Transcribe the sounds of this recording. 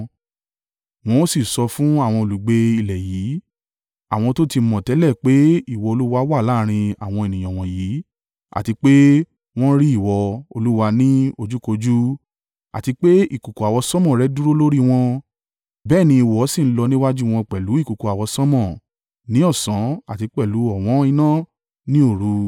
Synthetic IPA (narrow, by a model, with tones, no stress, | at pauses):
w̃ɔ̃˧o˦si˦˨sɔ˧fũ˦a˦˨w̃ɔ̃˧o˨lu˨ɡ͡be˧i˨lɛ˨jiː˨˦ | a̰˦˨w̃ɔ̃˧to˦ti˧˦mɔ̃˨tɛ˨˦lɛ˦˨k͡pe˦i˦˨wɔ˧o˧lu˦wa˦wa˦˨la˦ɾ̃ĩ˧a˨w̃ɔ̃˧e˨nĩ˨j̃ɔ̃˨w̃ɔ̃˨jiː˨˦ | a̰˨ti˧k͡pe˦ | w̃ɔ̃˦ɾi˦i˦˨wɔ˧o˧lu˦wa˧nĩ˦o˧d͡ʒu˦ko˧d͡ʒu˦ | a̰˨ti˧k͡pe˦ḭ˦˨ku˨ko˨a˨wɔ˧sɔ̃˦mɔ̃˨ɾɛ˨˦du˦ɾo˦lo˦ɾi˦w̃ɔ̃˧ | bɛː˦˨nĩ˧i˨wɔ˨˦sĩ˦˨n̩˦lɔ˧nĩ˦wa˦d͡ʒu˦w̃ɔ̃˧k͡pɛ˨lu˨˦i˦˨ku˨ko˨˧a˨wɔ˧sɔ˦mɔ̃˦˨ | nĩ˨˦ɔ˦˨sã˨˦a˦˨ti˧k͡pɛ˦˨lu˨˦ɔ˨w̃ɔ̃˨˦i˧nã˦ | nĩ˦o˦˨ɾu˧